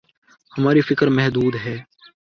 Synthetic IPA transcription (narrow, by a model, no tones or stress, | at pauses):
həmaːɾifɪkəɾmɛɦd̪uːd̪ɦɛː